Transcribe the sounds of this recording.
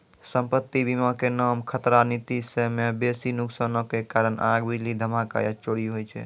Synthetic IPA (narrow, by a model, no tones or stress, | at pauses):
səmpət̪ːibimakenaːmkʰət̪ɾanit̪isemebesinuksənokekaɾənʔaɡbilid̪ʱəmaka̰jət͡ʃoɽiɦojt͡ʃʰɛ̰